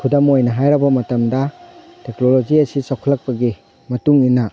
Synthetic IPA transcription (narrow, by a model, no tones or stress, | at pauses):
kʰudɐmojnɐɦajɾɐbɐmɐtɐmdɐteknolod͡ʒiɐsisakʰulɐk̚pɐɡi | mɐtuŋina